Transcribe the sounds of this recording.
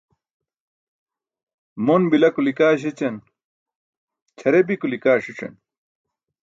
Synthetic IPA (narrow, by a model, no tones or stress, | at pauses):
monbilɐkulikaːɕ̬it͡ɕɐn | t͡ɕʰɐɾebikulikaːʂiʈ͡ʂɐ̰n